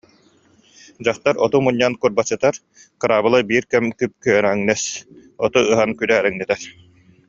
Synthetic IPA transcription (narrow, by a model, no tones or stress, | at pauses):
d͡ʑaχt̪aɾɔt̪umuɲːankuɾbat͡ɕːɯt̪aɾ | kɯɾaːbɯlˠabiːɾkɛmkyp̚kyœɾŋnɛsɔt̪uɯɦankyɾɛɾɛŋnɛt̪ɛɾ